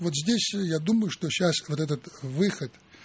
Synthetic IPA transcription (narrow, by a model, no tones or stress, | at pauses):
vot̪zʲdʲesʲjad̪uməjʊʂt̪oɕasvot̪ɛt̪ət̪vɨxət̪